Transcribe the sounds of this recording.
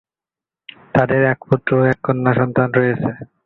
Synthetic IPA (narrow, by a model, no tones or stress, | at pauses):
t̪ad̪eɾɛkput̪ːɾoɛkːonːaʃɔnt̪anɾojet͡ɕʰe